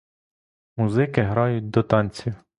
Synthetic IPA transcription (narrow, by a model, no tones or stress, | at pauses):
muzɪkɪɦɾɑjʊt̚ʲd̪ɔt̪ɑnʲt͡sʲiw